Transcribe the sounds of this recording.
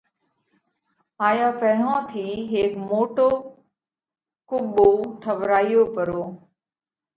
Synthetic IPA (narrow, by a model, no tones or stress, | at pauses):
aːjaːpəɽãːt̪ʰiːɦeːkmoːʈoː | kʊɓoːʈʰəʋɾaːijoːpəɾoː